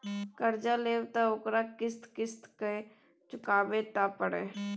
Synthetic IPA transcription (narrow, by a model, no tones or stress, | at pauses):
kəɾd͡ʒaleːwt̪aoːkɾakɪst̪kɪst̪ke | t͡ʃʊkaːbet̪apəɽḛ